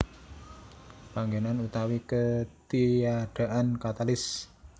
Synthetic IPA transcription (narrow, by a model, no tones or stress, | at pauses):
paŋɡenanut̪awikət̪iaɖ̥a̤ʔankat̪alɪs